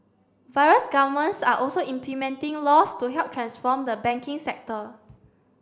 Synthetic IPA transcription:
vaɪɹəsɡavəmə̃ntsaʔɔlsoĩmplimɛ̃ntɪ̃ŋlɔstuɦɛlp̚tʰɹãnsfɔmdəbɛ̃ŋkɪ̃ŋsɛk̚tə

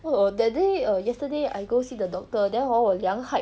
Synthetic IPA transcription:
odɛt̚deəjɛstədea̰jɡosidədɔk̚tədɛ̃nɔəljãŋha

